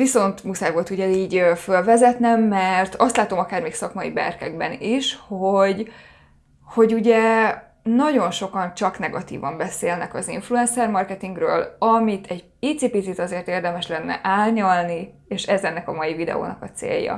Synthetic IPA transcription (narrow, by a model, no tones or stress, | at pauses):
viso̞nt̪musaːjvoːlt̪uɟɛiːɟøfølvɛzɛt̪nɛmːɛrt̪ɒst̪laːt̪o̞mɒkaːrmeːksɒkmɒḭbɛ̰rkɛɡ̚bɛniʃhoɟ | ho̞ɟuɟɛ | nɒɟo̞nʃo̞kɒnt͡ʃɒknɛɡɒt̪ḭːvɒmbɛseːlnɛkɒziɱfluɛnsɛrmɒrkɛt̪iŋɡrøːlɒmit̪ʰɛɟpiːt̪sipisit̪ɒzeːrt̪eːrd̪ɛmɛʃlɛnːɛ̰ʔaːlɲɒlnieːʃɛzɛnːɛkɒmɒjivid̪ɛ̰o̰ːnɒkɒt̪sḛːjːɒ̰